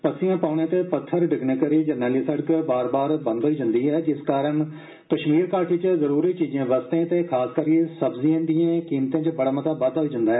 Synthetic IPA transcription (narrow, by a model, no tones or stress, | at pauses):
pəksɪjãːpaːɳ̃ẽːt̪eːpət̪ʰːəɾɖɪɡneːkəɾiːd͡ʒəɾnɛːliːsəɽəkbaːɾbaːɾbə̃nd̪ɦoiːd͡ʒə̃nd̪iːɦɛːd͡ʒɪskaːɾəɳ | kəʃmiːɾkaːɾʈiːt͡ʃəzəɾuːɾiːt͡ʃiːzãːbəst̪ẽːt̪eːkʰaːskəɾkesəbziãːd̪ijãːkiːmt̪ẽːt͡ʃəbəɽaːmət̪aːbəd̪ɦoiːd͡ʒə̃nd̪aːɦɛː